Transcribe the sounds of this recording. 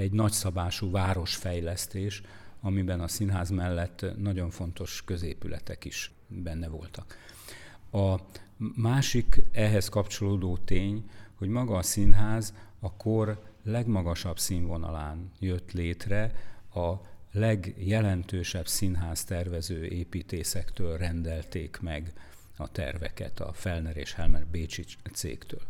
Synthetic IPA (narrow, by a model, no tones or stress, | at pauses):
ɛɟnɒcsɒbaːʃuːvaːɾo̞ʃfɛjlɛst̪eːʃ | ɒmibɛnɒsinɦaːzmɛlːɛt̪ːnɒɟo̞ɱfo̞nt̪o̞ʃkø̞zeːpylɛ̰t̪ɛkiʃ | bɛnːɛvo̞̰lt̪ɒk | ɒ | maːʃikɛɦɛskɒpt͡ʃo̞loːd̪oːt̪eːɲho̞ɟmɒɡɒːsinɦaːzɒkʰorlɛɡmɒɡɒʃɒbsiːɱvo̞nɒ̰laːnjøt̪leːt̪rɛɒlɛɡjɛlɛnt̪øːʃɛbsinɦaːst̪ɛrvɛzøːʔeːpiːt̪eːsɛkt̪øːlrɛnd̪ɛlt̪eːkmɛɡ | ɒt̪ɛ̰rvɛ̰kɛ̰t̪ɒ̰fɛlnɛɾḛːʃhɛlmɛrbeːt͡ʃit̪sḛːkt̪ø̰ːl